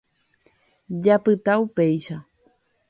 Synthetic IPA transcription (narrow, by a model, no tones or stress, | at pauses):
d͡ʒapɨt̪aupejʃa